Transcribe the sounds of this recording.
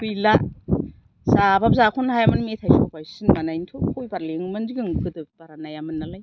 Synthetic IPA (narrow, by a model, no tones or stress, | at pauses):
pɯjla | sabab̚zakʰunhajamɯnmetʰajsʰopajsɯnmanajintʰukʰojbaɾleŋmɯnziɡɯŋkʰɯdɯk̚b̥aɾanajamɯnːalaj